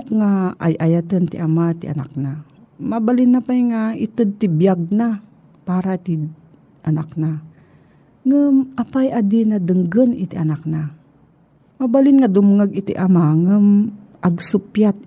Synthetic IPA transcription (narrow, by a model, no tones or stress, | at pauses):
kŋaʔa̰jʔajat̪ənt̪ɪʔamat̪ɪʔa̰na̰k̚na | mabalɪnːapajŋaɪt̪ɨd̪̚t̪ɪbjaɡ̚na | paːɾat̪ɪ | ʔanakna | ŋɨmʔapajʔad̪inad̪ɨŋɡənɪt̪iʔɐnak̚na | mabalɪnŋad̪ʊmŋaɡɪt̪ḭʔamaŋəm | ʔɐɡsʊpjat̪̚